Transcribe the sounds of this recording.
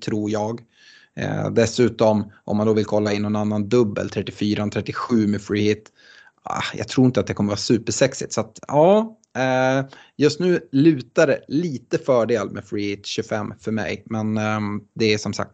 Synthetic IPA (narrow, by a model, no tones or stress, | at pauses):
t̪ʰɾuːɾjɑːɡ̰ | d̪ɛsʉ̟ːt̪ɔmʔɔ̰mːand̪oːvɪlkʰɔlːaɪnːɔnanːand̪ɵbːə̰lt̪ʰɾɛt̪ːɪfyːɾant̪ʰɾɛt̪ːɪɧʉ̟ːmɛfɹiːhɪt̪ː | a̰jɑ̰ɡt̪ʰɾuːɪnt̪at̪d̪ɛkʰɔmːəvɑːsʉ̟ːpəʂɛksɪt̪sat̪ɑː | jɵst̪nʉ̟ːlʉ̟ːt̪aɖɛliːt̪əfœːɖeːlmʔɛ̰fɹiːhɪt̪ɕɵfɛmːfœɾmɛ̰jmɛnd̪ɛæʂɔmsa̰k̚t̪